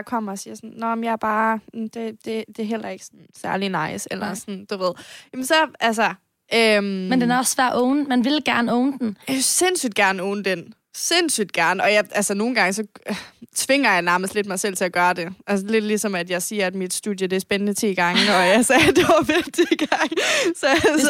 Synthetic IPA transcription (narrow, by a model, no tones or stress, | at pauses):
j̥ɑ̈kʰɒ̽m̰ɐɒsiːɐsɔnːɒjɑ̈ɪɐb̥ɑ̈ːd̥e̝d̥e̝d̥e̝ɦel̰ɐe̝ɡ̥əsɔnsæɐlinɑ̈ɪ̰selɐsɒnd̥uʋe̝ð̞̰ˠjæmnsɒ̽ʔælsɐ | ʔømmend̥enæɐɒsʋæɐ̰ʔɔʊnmænʋe̝lɡ̥æɐnəɔʊnəd̥n̩se̝n̰syd̥̚ɡ̥æɐnəɔʊnəd̥en | se̝n̰syd̥̚ɡ̥æɐnəɒ̽jɑʔælsəno̝ːn̩ɡ̥ɑ̈ŋəsɒ̽t͡sʰʋe̝ŋɐjɑ̈ɪnæɐməsd̥le̝d̥mɑ̈ɪsel̰t͡sʰe̝æɡ̥ɶːɐd̥e̝ʔæls̬əle̝d̥lisɒ̽mæd̥jɑɪsiːɐæd̥mid̥sd̥ṵðˠjəd̥e̝æɐsb̥enənət͡sʰḭːɡ̥ɑ̈ŋəɒjɑɪsɛːd̥eʋɐʋe̥d̥iɡ̥ɑŋsɒ